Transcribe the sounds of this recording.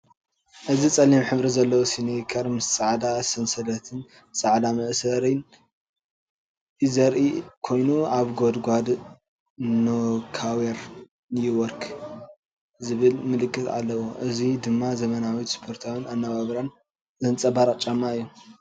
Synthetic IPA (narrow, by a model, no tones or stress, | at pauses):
ʔɨzit͡sʼɐlːimħɨβɾizɐlːɐwosinekʰɐɾmɨst͡sʼaʕd̪asɐnsɐd̪ɐt̪ʰɨn | sʼaʕd̪amɐʔsɐɾɨn | jɨzɐɾʔikʰo̞jnuaβɡod̪ɡʷad̪ | nokʰaweɾ | nijɪwɔɾkʰ | zɨβɨlmɨlɨkʰʼːɨt̪a̰lːɐwoʔɨzid̪ɨmːazɐmɐnawit̪spʰo̞ɾt̪ʰaβɨnanːaβaβɾan | zɨnt͡sʼɐbaɾat͡ʃʼːamːaɨjːu